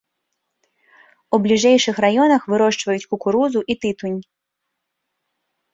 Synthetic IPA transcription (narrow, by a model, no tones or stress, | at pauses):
ublʲiʐɛjʂɨxrajɔnɐxvɨɾɔʂt͡ʂvɐjut͡sʲkukuɾuzuʔit̪ɨt̪unʲ